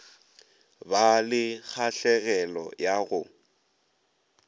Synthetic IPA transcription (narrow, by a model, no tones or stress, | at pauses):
balɪk͡xʰaɬɛɣɛlɔ̰jaɣʊ